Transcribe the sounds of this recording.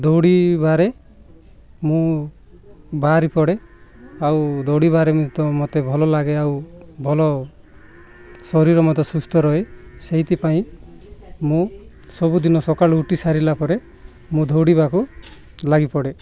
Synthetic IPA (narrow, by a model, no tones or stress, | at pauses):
d̪ʱɔwɽibaɾe | mũ | baɾipɔɽeawd̪ʱowɽibaɾemũt̪ɔmot̪ebʱɔlɔlaɡeawbʱɔlɔ | sɔɾiɾɔmɔt̪ɔsust̪ʰɔɾɔeseɦit̪ipaĩ | mũ | sɔbud̪inɔsɔkaɭuʈisaɾilapɔɾe | mũd̪ʱɔwɽibaku | laɡipɔɽe